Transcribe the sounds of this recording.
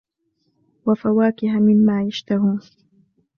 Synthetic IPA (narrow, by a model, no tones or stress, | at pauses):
wafawaːkɪhamɪmːaːjaʃt̪aɦuːn